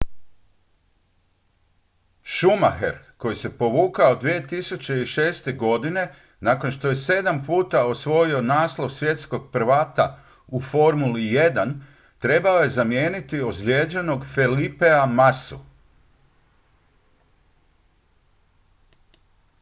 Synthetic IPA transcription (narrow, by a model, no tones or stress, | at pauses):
ʃuma̰xḛɾko̞jise̞po̞ʋuːkaod̪ʋije̞t̪isut͡ʃe̞iʃe̞ːst̪e̞ɡo̞d̪ine̞ | naːko̞nʃt̪oje̞se̞d̪ampuːt̪ao̞sʋo̞jio̞naːslˠo̞ʋsʋje̞t̪sko̞ɡ̚pɾ̩ʋaːt̪a | ufo̞ɾmulije̞d̪an | t̪ɾe̞bao̞je̞zamjeːnit̪io̞zʎʲeːd͡ʒeno̞ɡfelipeamasṵ